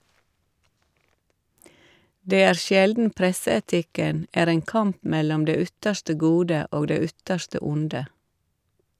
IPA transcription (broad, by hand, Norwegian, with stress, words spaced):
ˈdeː ˈæːɾ ˈʃjɛldn̩ ˈpɾɛsəɛˌtɪkən ˈæːɾ ˈeːŋ ˈkɑmp ˈmɛlɔm ˈdeː ˈʏtəʃʈə ˈɡuːdə ˈoːɡ ˈdeː ˈʏtəʃtə ˈʊndə